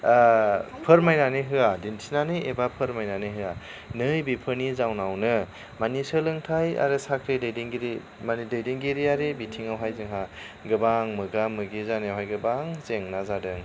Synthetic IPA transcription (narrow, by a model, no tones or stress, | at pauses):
pʰɯɾmajnanɯɦɯadintʰinanɯebapʰɯɾmajnanɯɦɯa | nɯjbipʰɯnizawnawnɯ | manisɯlɯŋtʰaja̰ɾɯsakʰɾedɯjdiŋɡiɾi | manidɯjdiŋɡiɾiaɾebitʰiŋawɦajzɯŋɦa | ɡɯbaŋmɯɡamɯɡizanɯjawɦajɡɯbaŋzeŋnazadɯŋ